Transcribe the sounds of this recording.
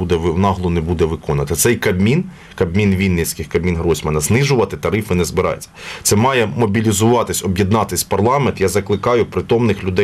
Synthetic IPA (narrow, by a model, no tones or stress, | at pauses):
ud̪ɛʋɪwnɑɦlˠʊnebud̪ɛʋɪkɔnɐt̪ɐt̪sɛjkɐbmʲin | kɐbmʲinʋʲinʲːɪsʲkɪxkɐbmʲinɦɾɔsʲmɐnɐznɪʒʊʋɐt̪ɪt̪ɐɾɪfɪnɛzbɪɾɑ̰j̰t͡sʲːɐ̥t̪sɛmɑjɛmɔbʲilʲizʊʋɑt̪ɪsʲɔbjid̪nɑt̪ɪsʲpɐrlˠɑment̪jazɐklˠɪkɑjʊpɾɪt̪ɔmnɪxlʲʊd̪ɛ